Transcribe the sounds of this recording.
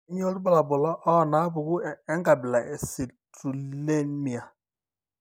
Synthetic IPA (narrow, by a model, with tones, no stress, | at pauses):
i˦ɲ˦o˦lʊ˦ba˦la˨bʊ˨lɔ˦ʔɔ˦˨na˨a˦bʊ˨ɡʊ˦e˦ŋ˦ɡa˨bɪ˨la˨ʔe˨si˨tu˨le˦n˦mi˨a˨